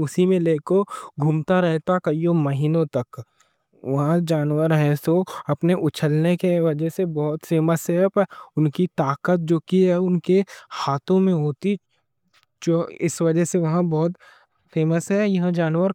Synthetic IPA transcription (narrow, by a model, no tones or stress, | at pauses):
ʊsimẽleːkoɡʱumt̪aɾɛɦt̪akɐijomɐɦiːnõt̪ɐk | ʋɐɦãd͡ʒaːnwəɾɦɛsoɐpneʔʊt͡ʃʰəlnekeʋɐd͡ʒɛɦsebɔːt̪feːməsɛpʊnkit̪aːkət̪̚d͡ʒoːkiɦɛʊnkehaːt̪ʰõmẽɦoːt̪i | d͡ʒoːɪ̰sʋɐd͡ʒəɦseʋɐɦãbɔːt̪ | feːməsɦɛjɐɦd͡ʒaːnwəɾ